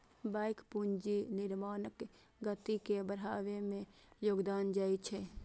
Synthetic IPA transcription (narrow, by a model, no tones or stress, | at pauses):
bajkpund͡ʒinɪɾmaːnək | ɡət̪ikebəɾ̤a̰ʋemẽ | joːɡd̪aːnd͡ʒajt͡ʃʰɛ